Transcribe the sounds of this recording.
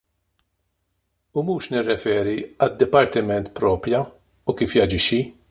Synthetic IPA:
ʊmuːʃnɪrːɛfɛːɾiɐd̪ːɪpɐɾt̪ɪmɛnt̪pɾɔːpɾjɐ | ukiːfjɐd͡ʒɪʃːi

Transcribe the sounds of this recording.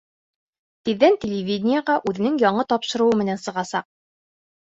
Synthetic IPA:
t̪iðːænt̪ʲɪlʲɪvʲidʲnʲɪjəʁɑʔʉðɘ̆nɘŋjɒɴɤt̪ɒpʃɤ̆ɾuwɤmɘ̆nænsɤ̆ʁɑsɑq̚

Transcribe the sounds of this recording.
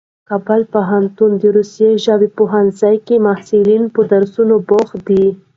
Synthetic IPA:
kɑbalpoɦant̪und̪əɾusjeʒawipoɦanzajkemahsulinpəd̪aɾsunoboxd̪i

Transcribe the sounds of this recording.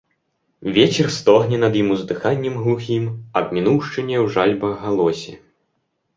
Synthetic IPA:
vʲɛt͡ɕʲɛrst̪ɔɣnʲɛnɐd̪jimuzd̪ɨxanʲːɛmɣlˠuxʲimɐbmʲinuwʂt͡ʂɨnʲɛwʐalʲbɐɣalˠɔsʲɛ

